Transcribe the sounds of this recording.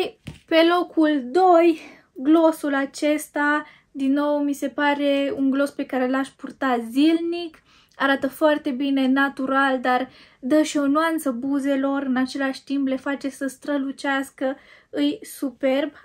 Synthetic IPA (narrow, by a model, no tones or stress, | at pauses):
pe̞lo̞kuld̪o̞j | ɡlo̞sulat͡ʃe̞st̪a | d̪inːo̞wmise̞paɾe̞uŋɡlo̞spe̞kaɾe̞laʃpurt̪azilnik | aɾat̪əfoart̪e̞bine̞nat̪uɾald̪ard̪əʃio̞nuant̪səbuze̞lo̞rɨnat͡ʃe̞laʃʲt̪imple̞fat͡ʃe̞səst̪ɾəlut͡ʃaskəɨjsupe̞rb